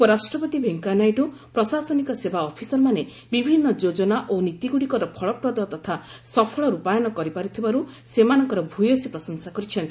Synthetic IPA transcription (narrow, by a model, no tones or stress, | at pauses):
pɔɾasʈɾɔpɔt̪ibʱeŋkanajɖupɾɔsasɔnikɔsebʱaɔpʰisɔɾmane | bibʱinːɔd͡ʒod͡ʒɔnaʔonit̪iɡuɽikɔɾɔpʰɔɭɔpɾɔd̪ɔt̪ɔt̪ʰasɔpʰɔɭɔɾupajɔnɔkɔɾipaɾut̪ʰibaɾu | semanɔŋkɔɾɔbʱujosipɾɔsɔnsakɔɾit͡ʃʰɔnt̪ii